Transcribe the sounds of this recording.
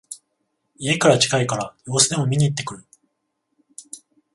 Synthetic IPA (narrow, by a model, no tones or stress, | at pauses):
ie̞kaɾat͡ɕi̥kaikaɾajo̞ːsɨd̪e̞mo̞mʲiɲ̟iːt̪ːe̞kɯ̟ɾɯ